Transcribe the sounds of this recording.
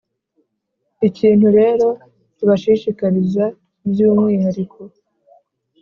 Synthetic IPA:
iciːnhuɾe̞ːɾo̞ | tuβaʃiʃikaɾiza | bjuːmŋiːhaɾikʰo̞

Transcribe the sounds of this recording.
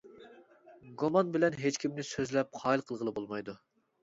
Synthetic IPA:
ɡomɑnbɪlɛnɦet͡ʃkʲʰimnɪsøzlɛp̚qʰɑːilˠqʰəlˠʁəlˠɨbolˠmɑjd̪u

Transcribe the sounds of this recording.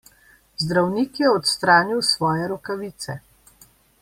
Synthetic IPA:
zd̪ɾawnikjɛɔt̪st̪ɾaːniwsʋɔːjɛɾɔkaʋit̪sɛ

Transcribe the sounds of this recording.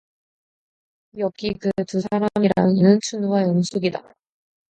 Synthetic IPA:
jʌk͈ikɯtusʰaɾamiɾa̰ɯninɯnt͡ɕʰunuwajʌnsʰuɡida

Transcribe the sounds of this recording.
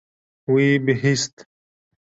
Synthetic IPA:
wibiɦist̪

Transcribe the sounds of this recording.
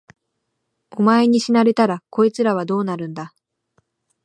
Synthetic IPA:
o̞mae̞ɲ̟iɕinaɾe̞t̪aɾako̞it͡sɨɾaβ̞ad̪o̞ːnaɾɯ̟̃nd̪a

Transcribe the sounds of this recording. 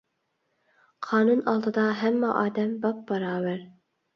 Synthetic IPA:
qʰɑːnunɑlˠd̪ɨd̪ɑɦɛmːɑʔɑːd̪ɛmbɑp̚bɑɾɑːwæɾ

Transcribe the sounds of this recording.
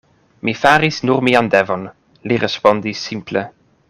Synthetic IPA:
mifaɾisnuʁmiand̪ɛvɔn | liʁespɔnd̪isːimple

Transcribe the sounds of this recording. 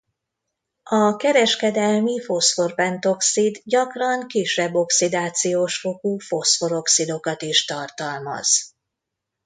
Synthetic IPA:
ɒkɛɾɛʃkɛd̪ɛlmifo̞sfo̞rpɛnt̪o̞ksid̪ɟɒkrɒŋkiʃɛbːo̞ksid̪aːt̪sijoːʃfo̞kuːfo̞sfo̞ɾo̞ksid̪o̞kɒt̪iʃt̪ɒrt̪ɒlmɒ̰z̥

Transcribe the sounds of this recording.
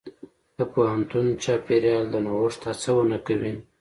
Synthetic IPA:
k̪əpohant̪unt͡ʃɑpeɾjɑld̪ənawʊʂt̪ʰat͡səwənakawin

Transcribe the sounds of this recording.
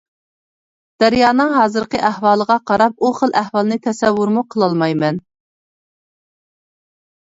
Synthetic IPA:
d̪̥ɛɾjɑːnɨŋɦɑːzɨɾqəʔæhwɑːlˠəʁɑqʰɑɾɑp̚uχəlʔæhwɑlˠɨnɨt̪ʰɛsɛwːuɾmuqʰəlˠɑlˠmɑjmɛn

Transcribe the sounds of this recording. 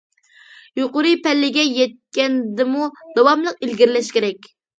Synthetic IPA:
joqʊɾɨpɛlːɪɡʲɛjɛt̪̚kʲɛnd̪ɪmud̪̥ɑwɑmlˠəqilɡʲiɾlɛʃkʲeɾɛkʲ

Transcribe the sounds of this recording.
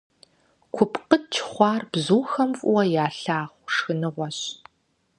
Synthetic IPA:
kʷʰʊpʰqət̚t͡ʃʰχʷɑːrb̥zuːxɐmfʼʊwɐjaːɬaːʁʷʂxɨnɨʁʷɔɕ

